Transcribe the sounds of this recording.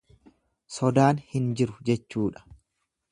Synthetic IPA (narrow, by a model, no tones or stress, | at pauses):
sɔd̪aːnhɪnd͡ʒɪɾʊd͡ʒɛt͡ʃːuːᶑɐ̥